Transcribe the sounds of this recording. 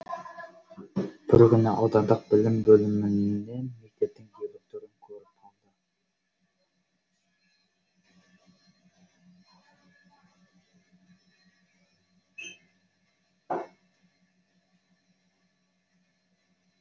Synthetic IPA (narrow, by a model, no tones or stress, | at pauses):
b̥ʏɾɡʏnɑʔɑwd̪ɑnd̪əq̚bɪlɪmbɵlʏmɪnːenme̞k̚t̪e̞p̚t̪ːɪŋɡelˠek̚t̪øɾɪŋkʲʰɵɾɪpɑlˠd̪ə